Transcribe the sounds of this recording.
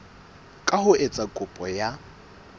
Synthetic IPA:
kʼahʊʔet͡sʼakʼʊpʼɔja

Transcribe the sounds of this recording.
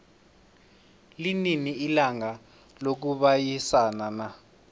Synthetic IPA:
lininiilaŋa | lok̬uɓajisanana

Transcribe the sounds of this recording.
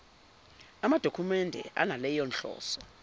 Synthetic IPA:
amad̥ʱokʰumɛndʱɛ̰ʔa̰nalɛjɔnɬɔ̰ːsɔ

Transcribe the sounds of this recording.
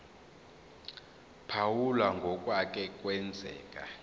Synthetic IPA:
pʰawulaŋɡʱɔkʼwak̬ʼɛkʼwɛnd͡zʱɛ̰ːkʼa

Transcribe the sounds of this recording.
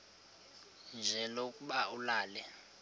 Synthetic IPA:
nd͡ʒʱɛlokʼuɓaulaːlɛ

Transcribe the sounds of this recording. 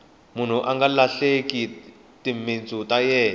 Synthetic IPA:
mun̤uʔaŋɡalaɬeki | timint͡sʼutajɛː

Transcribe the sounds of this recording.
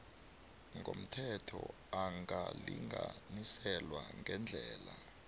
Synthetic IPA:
ŋɡʱom̩tʰɛtʰɔ | aŋaliŋɡʱanisɛlwaŋʱɛnd͡ɮʱɛːla

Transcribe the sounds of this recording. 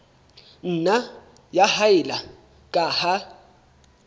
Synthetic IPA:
n̩na | jahaɪla | kʼaha

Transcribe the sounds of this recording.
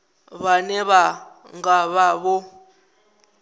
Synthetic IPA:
βanɛβa | ŋɡaβaβɔ

